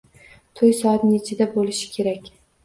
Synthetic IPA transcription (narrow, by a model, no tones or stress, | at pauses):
t̪ʰojsɒat̪net͡ʃʰɪd̪abolɪʃɪ̥kʲʰe̞ɾakʲ